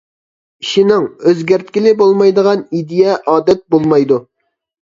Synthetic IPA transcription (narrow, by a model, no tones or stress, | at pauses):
iʃinɪŋøzɡʲæɾt̪̚kʲilɪbolˠmɑjd̪əʁɑnid̪ijɛʔɑːd̪ɛt̪̚bolˠmɑjd̪u